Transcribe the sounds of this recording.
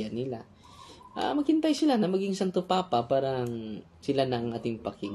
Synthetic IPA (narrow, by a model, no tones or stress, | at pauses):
anɪla | ʔa̰mɐɡ̚hɪnt̪ajsɪlanɐmɐɡiŋsant̪ʊpaːpapaːɾɐŋ | sɪlanɐŋʔaːt̪ɪŋpɐkɪŋ